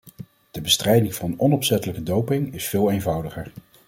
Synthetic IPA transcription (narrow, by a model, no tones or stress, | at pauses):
d̥əbəstrɛjdɪŋvɑnənɔnɔpsɛtələkədowpɪŋɪsfɪːlˠejnvɑwdəχəɹ